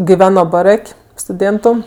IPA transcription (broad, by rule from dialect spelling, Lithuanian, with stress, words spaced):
ɡʲɪˈʋʲæːnoː bɐˈrɐkʲ stʊˈdʲeːntʊ